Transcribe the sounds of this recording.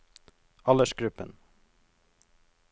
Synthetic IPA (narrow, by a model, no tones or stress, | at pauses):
ɑləʃɡɾʉpən